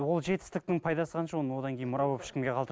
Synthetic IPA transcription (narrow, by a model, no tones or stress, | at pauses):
wo̞lˠʒe̞t̪ɪ̥st̪ɪk̚t̪ɪŋpʰɑjd̪ɑsəqʰɑnʃəwo̞nəwo̞d̪ɑŋkʲejnmʊɾɑbopɪ̥ʃkʲɪmɡʲe̞qʰɑlˠd̪ə